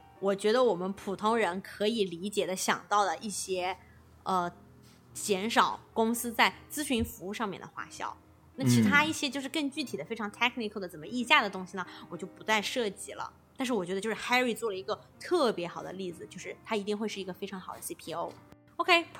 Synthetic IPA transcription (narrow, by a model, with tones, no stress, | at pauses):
wɔ˨˩t͡ɕɥɛ˧˥d̪ə˧wɔ˨˩mə˦npʰu˨˩t̪ʰʊ˥ŋɻə˧˥nkʰɤ˧˥i˨˩li˧˥t͡ɕjɛ˨˩d̪ə˦ɕjɑ̰˨˩ŋt̪ɑ˥˩ʊd̪ə˩ʔi˥˩ɕjɛ˥ | ə˧˩ | t͡ɕjɛ˧˥nʂɑ˨˩ʊkʊ˥ŋsɹ̩˥t͡sa˥˩ɪt͡sɹ̩˥ɕy˧˥nfu˧˥u˥˧ʂɑ˥˧ŋmjɛ̰˥˩nd̪ə˩xwa̰˥˩ɕjɑ̰˥˩ʊ | na˥˩t͡ɕʰi˧˥t̪ʰa˥i˥˩ɕjɛ˥t͡ɕjo˥˧ʊʂɻ̩˥˧kɤ˥˧ŋt͡ɕy˥˩t̪ʰi˨˩d̪ə˦fe˥ɪʈ͡ʂʰɑ˧˥ŋt̪ʰɛ˥kʰni˧˥kʰˠd̪ə˩t͡sə˨˩nmə˦i˥˧ɕja˥˩d̪ə˩t̪ʊ˥ŋɕi˩nə˩wɔ˨˩t͡ɕjo˥˩ʊpu˧˥t͡sa˥˧ɪʂɤ˥˩t͡ɕi˧˩lə̰˧ | t̪a˥˧nʂɻ̩˥˩wɔ˨˩t͡ɕɥɛ˧˥d̪jo˥˧˩ʂ̩˥xa˥ɪɹi˥˩t͡swɔ˥˩lə˩i˧˥ɡə˧t̪ʰɤ˥˩pjɛ˧˥xɑ˨˩ʊd̪ə̰˦li˥˩d͡zɹ̩˩t͡ɕjo˥˧ʂɻ̩˥˩t̪ʰa˥i˧˥t̪i˥˧ŋxwe˥˧ʂɻ̩˥˩i˧˥ɡə˧fe˥ɪʈ͡ʂʰɑ˧˥ŋxɑ˨˩ʊd̪ə˦si˥pʰi˥o˥ʊ | o˧ʊkʰe˥ɪ